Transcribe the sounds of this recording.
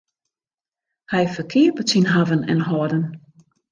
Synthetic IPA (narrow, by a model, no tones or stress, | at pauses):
hɛjfəkʰiəpəsinɦavənɛ̰nɦɔdən